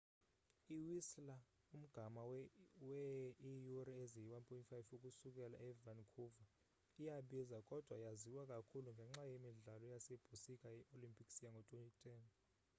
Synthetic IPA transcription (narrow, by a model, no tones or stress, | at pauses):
iwisla | um̩ɡ̥ʱamawɛijurieziwanpʰʼɔintʼfajfukʼusukʼɛla̰ʔɛvankʰuva | ijaɓizakʼɔd̥ʱwajaziwakʼakʰuluŋɡʱɛŋ͡ǁajemiɮalɔjaseb̥ʱusikʼajɛʔolimpʰʼiksijaŋɡʱɔtʼwentʼitʰʼɛːn